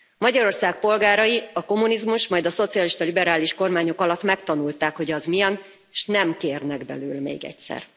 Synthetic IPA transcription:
mɒɟɒɾo̞rsaːk̚po̞lɡaːɾɒjiɒko̞munizmuʃmɒjd̪ɒso̞t̪sijɒliʃt̪ɒlibɛɾaːliʃko̞rmaːɲo̞kɒlɒt̪ːmɛkt̪ɒnult̪aːkho̞ɟɒzmijɛn | ʃnɛmkeːrnɛɡbɛ̰lyːlmḛːɡɛ̰csɛ̰r

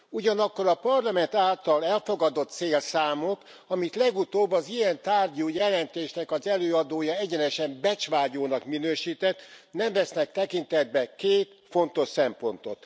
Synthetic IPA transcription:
uɟɒnɒkːo̞ɾɒpɒrlɒmɛnt̪aːlt̪ɒlɛlfoɡɒd̪o̞t̪seːlsaːmok | ɒmit̪lɛɡut̪oːbːɒzijɛnt̪aːrɟuːjɛlɛnt̪eːʃnɛkɒzɛløːɒd̪oːjɒɛɟɛnɛʃɛmbɛt͡ʃʋaːɟoːnɒkminøːʃiːt̪ɛt̪ːnɛɱvɛsnɛk̚t̪ɛkint̪ɛd̪̚bɛkeːt̪ | fo̞nt̪o̞ʃsɛmpo̞nt̪o̞̰t̪

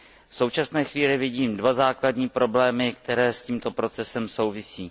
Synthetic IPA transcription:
fsowt͡ʃasnɛːxviːlɪvɪɟiːmdvazaːkladɲiːpɾo̞blɛːmɪk̚t̪ɛɾɛːsciːmt̪o̞pɾo̞t͡sɛsɛmso̞wvɪsiː

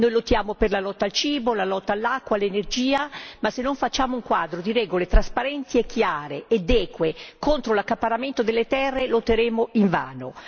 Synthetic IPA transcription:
nojlot̪ːjaːmoperlalɔt̪ːalt͡ʃiːbolalɔt̪ːalːakːwalenerd͡ʒiːamasenːoɱfat͡ʃːaːmouŋkwaːd̪ɾod̪iɾɛːɡolet̪ɾaspaɾɛnt̪iekːjaaːɾeːd̪ɛːkwekont̪ɾolakːapːaɾament̪od̪elːet̪ɛrːelot̪ːeɾeːmoiɱva̰ːno

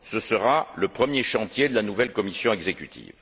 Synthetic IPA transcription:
səsəʁaləpχəmjeʃɑ̃t̪jed̪əlanuvɛlkɔmisjɔ̃ɛɡzekʲyt̪ʰḭv

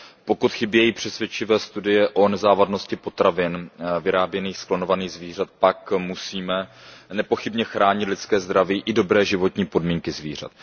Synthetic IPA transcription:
po̞kut̪xɪbjɛjiːpr̝̥ɛsvjɛt͡ʃɪvɛːst̪udɪjɛʔonɛzaːvadno̞scɪpo̞t̪ɾavɪnvɪɾaːbjɛniːxsklonovaniːɣzviːr̝at̪̚pakmusiːmɛnɛpo̞xɪbɲɛxɾaːɲɪt̪lɪtt͡skɛːzd̪ɾaviːʔɪdo̞bɾɛːʒɪvo̞t̪ɲiːpo̞dmiːŋkɪzviːr̝a̰t̪

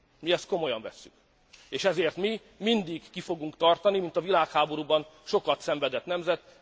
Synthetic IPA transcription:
miɛst̪̚ko̞mo̞jɒɱvɛsːyk | eːʃɛzeːrt̪mi | mind̪iɡːifo̞ɡuŋkt̪ɒrt̪ɒnimint̪ɒvilaːkhaːbo̞ɾuːbɒnʃo̞kɒt̪sɛɱvɛd̪ɛt̪nɛmzɛt̪

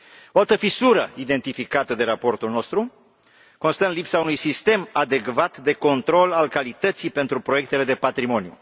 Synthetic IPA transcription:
oalt̪əfisuɾəid̪e̞nt̪ifikat̪əd̪e̞ɾapo̞rt̪ulno̞st̪ɾu | ko̞nst̪ənlipsaunujsist̪e̞mad̪e̞kvat̪d̪e̞ko̞nt̪ɾo̞lalkalit̪ət̪sipe̞nt̪ɾupɾo̞je̞k̚t̪e̞le̞d̪e̞pat̪ɾimo̞njṵ

